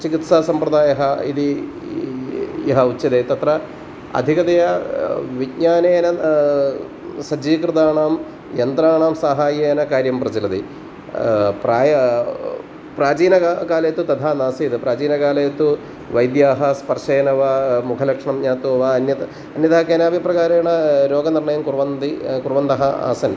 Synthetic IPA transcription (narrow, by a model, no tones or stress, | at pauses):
t͡ʃikit̪saːsɐmpɾɐd̪aːjɐɦɐḭd̪i | iɦɐut͡ʃːɐd̪eːt̪ɐt̪ɾɐ | ɐ̰d̪ʱikɐd̪ɐjɐʋikɲaːneːnɐ | sɐd͡ʒiːkɾɨd̪aːɳaːm | jɐnt̪ɾaːɳaːmsaɦaːjeːnɐkaːɾjɐmpɾɐd͡ʑɐlɐd̪i | praːjɐ | praːd͡ʑiːnɐkaːlɐjɐt̪ːut̪ɐd̪ʰʱaːnaːsiːd̪ɨpraːd͡ʑiːnɐkaːlɐjɐt̪ːu | ʋɐjd̪jaːɦɐspɐrʂeːnɐʋamukʰɐlɐkʂɐɳɐmɲaːt̪ːoɐʋaɐnjɐt̪ | ɐnjɐt̪ɐɦɐkeːnaːʋiprɐɣaːɾɐjɳɐɾo̞ːɡɐnirɳɐjɐmkurʋɐnd̪ikurʋɐnd̪ɐɦɐa̰ːsɐn